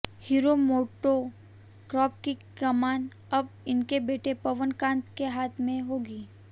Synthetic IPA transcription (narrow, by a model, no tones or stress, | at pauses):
hiːɾomoːʈo | kɾɔːp̚kikɐmaːn | ɐbɪnkebeːʈepɐʋənkãːnt̪keɦaːt̪ʰmẽɦoːɡiː